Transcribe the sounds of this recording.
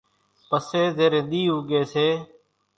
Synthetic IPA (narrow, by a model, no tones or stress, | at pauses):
pəseːzeːɾẽːnd̪iːɦuːɡeːseː